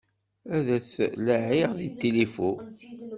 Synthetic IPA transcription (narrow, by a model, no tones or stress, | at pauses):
æðæθləʕiʁðit̪ːilifu